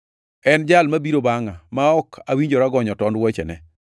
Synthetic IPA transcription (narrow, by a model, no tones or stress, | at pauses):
ɛnd͡ʒalmabiɾobaŋamaɔkʰawiɲd͡ʒoɾaɡɔɲɔtɔndwɔt͡ʃɛ̰nɛ̰